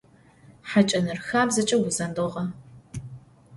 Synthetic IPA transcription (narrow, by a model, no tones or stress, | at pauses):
ħat͡ʃʼɐnɨrxaːbzɐt͡ʃʼɐwʊzɐndoʁɐ